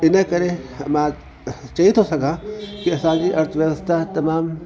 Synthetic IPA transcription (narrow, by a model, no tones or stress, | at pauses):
ɪnə̃kɐɾemã | t͡ʃɐɦit̪ʰosɐɡʱãkiɐsãd͡ʑiːʔɐɾt̪ʰʋjɐɣəst̪ʰat̪ɐmaːm